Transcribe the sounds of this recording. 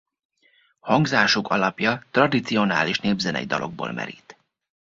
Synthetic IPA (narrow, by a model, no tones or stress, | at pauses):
hɒŋɡzaːʃokɒlɒpjɒt̪rɒd̪it̪sio̞na̰ːliʃneːbzɛnɛ̰id̪ɒlʔo̞ɡ̚bo̰ːlmʔɛ̰ɾḭt̪